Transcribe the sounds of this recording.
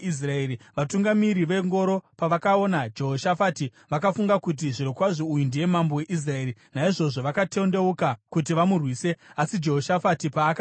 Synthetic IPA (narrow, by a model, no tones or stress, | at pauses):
is̬raeːɾiʋatuŋɡamiɾiʋe̞ŋɡo̞ɾo̞paʋakao̞nad͡ʒe̞ɦoʃafati | ʋakafuŋɡakut̬iʐiɾokwaʐoujundije̞mambo̞we̞ʔis̬rae̞ːɾinaiʐo̞ʐo̞ʋakatende̞ukakut̬iʋamurwiːse̞asid͡ʒe̞ɦoʃafatipaːka